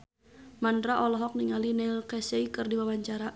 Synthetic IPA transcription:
mandɾaʔɔlɔɦɔk̚niŋalinɛlkɛsɛikɨrdiwawaɲt͡ʃaɾa

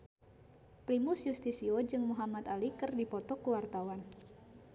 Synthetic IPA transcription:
pɾimʊsjust̪isiɔd͡ʒɨŋmuɦamat̪alikɨrdipɔt̪ɔkuwart̪awan

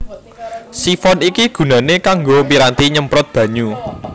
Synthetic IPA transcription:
sifɔnikiɡ̥ṳnanekaŋɡomiɾant̪iɲəmpɾɔt̪̚b̥ä̤ɲu

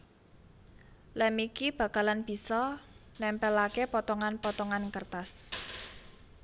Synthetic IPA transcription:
lɛmikib̥ä̤kalanb̥i̤sɔnɛmpɛlakepɔt̪ɔŋanpɔt̪ɔŋankərt̪as

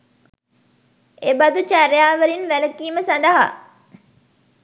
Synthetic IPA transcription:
ebad̪ut͡ʃaɾjaːʋəɾinʋæləkiːməsand̪əɦa̰

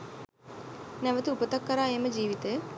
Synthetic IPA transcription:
nɛʋɐt̪uupɐt̪ɐkːɐɾaːemɐd͡ʒiːʋit̪eː

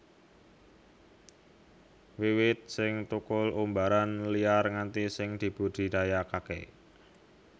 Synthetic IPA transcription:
wiwɪt̪̚sɪŋt̪ukʊlumbaɾanliarŋant̪isɪŋd̪̥i̤b̥ṳd̪̥i̤d̪̥ajakakɛ̰

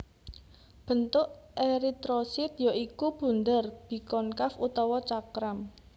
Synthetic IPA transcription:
b̥ə̤nt̪ʊʔeɾit̪ɾosɪt̪̚jaʔikub̥ṳnd̪ərb̥i̤kɔnkafut̪ɔwɔt͡ʃakɾam

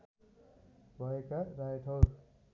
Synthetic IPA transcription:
bʱʌekaɾajʈʰʌw

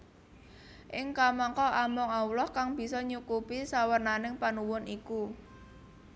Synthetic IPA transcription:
ʔɪŋkamɔŋkɔʔamɔŋawlɔhkaŋb̥i̤sɔɲukupisawərnanɪŋpanuwʊniku

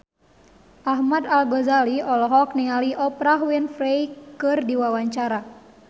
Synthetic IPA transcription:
ʔaɦmad̪alɡɔzaliɔlɔɦɔk̚niŋaliʔɔpɾaɦwinfɾejkɨrdiwawaɲt͡ʃaɾa

